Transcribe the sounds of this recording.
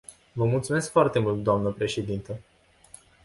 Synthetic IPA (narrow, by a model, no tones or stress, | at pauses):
vəmult̪sume̞skfoart̪e̞mult̪̚d̪oamnəpɾe̞ʃe̞d̪int̪ə